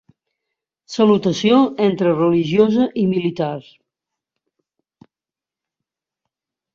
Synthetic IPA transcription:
səlut̪əsioent̪ɾərəliʒiozəʔimilit̪ars

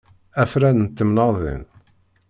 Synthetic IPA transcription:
æfɾænənt̪ːəmnɑðˤḭn

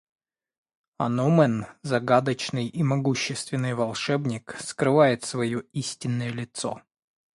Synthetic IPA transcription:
ɐ̰nomənzɐɡad̪ət͡ɕnɨjimɐɡuɕːɪst̪vʲɪnːɨjvɐlˠʂɛbnʲɪkskɾɨvajɪt̪svɐjoisʲtʲɪnːəjəlʲɪt̪so̰

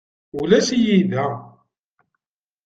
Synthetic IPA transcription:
ulæsijiðæ

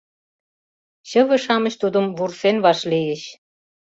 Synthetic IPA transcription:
ɕə̆βə̆ʃɑmə̆ɕt̪ud̪ə̆mβursenβɑʃlijeɕ

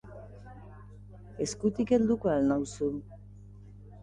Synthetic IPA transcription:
e̞skut̪ike̞ld̪ukoalnawsu

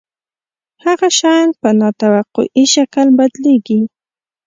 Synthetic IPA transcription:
haɣaʃajnpənɑt̪awaqʊ̰ʔiʃakəlbad̪leɡi

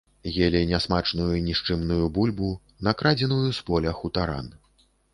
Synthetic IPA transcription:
jelʲɛnʲasmat͡ʂnujuinʲiʂt͡ʂɨmnujubulʲbu | nɐkɾad͡zʲɛnujuspɔlʲɐxut̪aɾa̰n

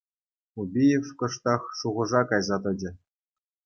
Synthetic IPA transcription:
ubʲijefkɤ̆ʂt̪ɑχʂuʁɤ̆ʐɑkɑjzɑt̪ɤ̆d͡ʑɘ̆

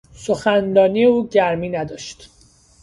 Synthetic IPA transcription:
soxændɒːniːeuːɟæɾmiːnæd̪ɒːʃt̪

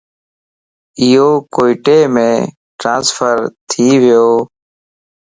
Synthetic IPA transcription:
ɪjoːkoːiʈeːmẽː | ʈɾãːnsfʰəɾt̪ʰiːʋɪjoː

